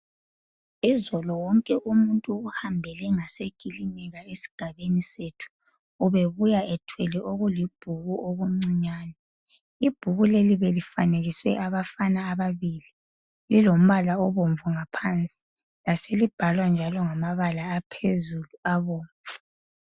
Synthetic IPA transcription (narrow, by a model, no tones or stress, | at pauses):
izɔlɔwɔŋkʼɛʔumuntʼuːhambʱɛlɛŋaseɡ̥ʱilinɛɣaesi̥ɡ̥ʱaβenisetʰu̥ | uβeβujaʔɛtʰwɛlɛʔoɣulib̥ʱuɣuʔoɣuŋ͡ǀiɲaːnɛ | ib̥ʱuɣuleliβelifaneɣiswɛʔaβafanaːβaβiːli | lilom̩βalaɔβoɱvuŋapʰant͡sʼi̥ | laselib̥ʱalwand͡ʒʱalɔŋamaβalaːpʰezuluaβoːɱvu